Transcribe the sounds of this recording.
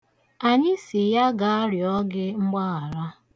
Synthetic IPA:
a˨ɲɪ˦sɪ˨ja˦ɡa˨a˦ɾjɔ˦ɡɪ˦ŋ͡m̩˦ɡ͡ba˦a˨ɾa˦

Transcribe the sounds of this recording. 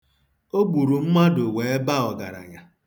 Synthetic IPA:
o˦ɡ͡bu˨ɾu˨m̩˦ma˦do˨we˨e˦ba˦ɔ˨ɡa̰˨ɾa̰˨ɲa˨

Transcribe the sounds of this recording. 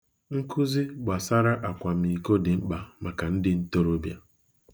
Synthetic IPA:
ŋ̩˦kʰu˦zi˦ɡ͡ba˨sa˦ɾa˦ʔa˨kʷa˨m̩˨i˨ko˦dɪ˨ŋ͡m̩˦k͡pa˨ma˨ka˨n̩˦dɪ˦n̩˦to˦ɾo˦bja˨

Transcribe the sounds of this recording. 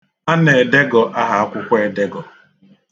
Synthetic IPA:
a˦ne˨de˦ɡɔ˨ʔa˦ɦa˨a˦kʷʊ˦kʷe˦de˦ɡɔ˨

